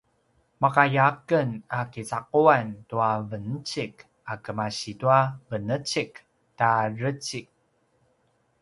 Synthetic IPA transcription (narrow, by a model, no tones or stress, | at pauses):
makajakənakit͡saquantuavənət͡ɕik | akəmaɕituavənət͡ɕik | tarət͡ɕik̚